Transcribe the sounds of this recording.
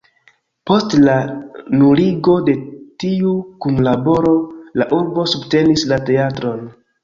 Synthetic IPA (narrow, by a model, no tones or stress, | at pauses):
po̞stlanuɾiɡo̞de̞tiukunlabo̞ɾo̞laʔuɾbo̞subte̞nislate̞atɾo̞n